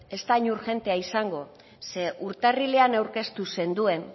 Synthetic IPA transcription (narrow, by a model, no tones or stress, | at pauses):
e̞st̪aɲuɾʝe̞nt̪e̞aisaŋɡo̞ | se̞ʔuɾt̪arile̞anawɾke̞st̪use̞nd̪ue̞n